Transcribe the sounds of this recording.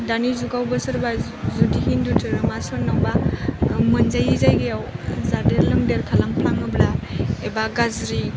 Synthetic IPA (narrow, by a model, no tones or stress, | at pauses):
danizuɡawbɯsɯɾba | zudiɦindutʰɯɾɯmasɔnːawba | mɯnzajizajɡejawzadeɾlɯŋdeɾkʰalamplaŋɯblaebaɡazɾi